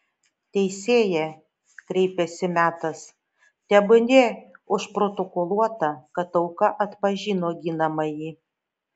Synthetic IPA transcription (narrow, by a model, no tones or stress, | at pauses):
t̪ʲɛɪsʲeːjɛ | kɾʲɛɪpʲɛsʲɪmʲæːt̪ɐs | t̪ʲɛbʊnʲeːʊʃpɾot̪okolˠuɔt̪ɑkɐt̪ɐʊkɑʔɐt̪pɐʒʲiːnoːɡʲɪnɐmɐjiː